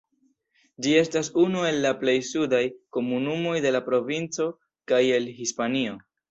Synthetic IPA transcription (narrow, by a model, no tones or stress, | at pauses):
d͡ʒie̞stas̬unue̞lːaple̞jsudajko̞munumo̞jde̞lapɾo̞vint͡so̞ | kaje̞lɦispanio̞